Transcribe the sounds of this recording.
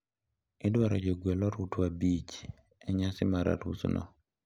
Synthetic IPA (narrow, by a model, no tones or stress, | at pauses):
ɪdwaɾɔd͡ʒɔɡwɛlɔɾutwabit͡ʃ | ɛɲasɪmaɾa̰ɾṵsnʔɔ̰